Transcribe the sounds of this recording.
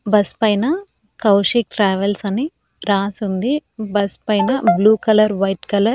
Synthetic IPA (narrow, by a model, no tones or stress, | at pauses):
bɐspɐjnɐ | kɐwʂik̚ʈɾaːʋɐlsɐni | ɾaːsund̪ibɐspɐjnɐbluːkɐlɐɾʋɐjʈkɐlɐ